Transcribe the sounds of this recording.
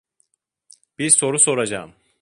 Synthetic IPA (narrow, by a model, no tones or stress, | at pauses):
b̥iɾso̞ɾuso̞ɾad͡ʒa̰ːm